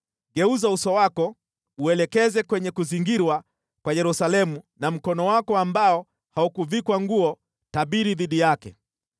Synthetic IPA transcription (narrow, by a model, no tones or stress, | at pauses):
ɡɛuzausɔwakɔ | uɛlɛkɛzɛkwɛɲɛkuziŋɡiɾwa | kwajɛɾusalɛmunam̩kɔnɔwakɔambaɔ | haukuvikwaŋɡuɔ | taɓiɾiðiɗijakɛ